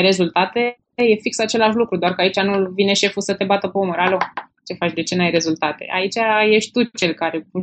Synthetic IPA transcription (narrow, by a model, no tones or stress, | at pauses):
jɾe̞zult̪at̪e̞ | je̞fiksat͡ʃe̞laʃlukɾud̪oarkəait͡ʃanulvine̞ʃe̞fusət̪e̞bat̪əpeoməɾalo | t͡ʃe̞fat͡ʃd̪e̞t͡ʃe̞najɾe̞zult̪at̪e̞̰ʔa̰it͡ʃaje̞ʃt̪ʲt̪ut͡ʃe̞lkaɾe̞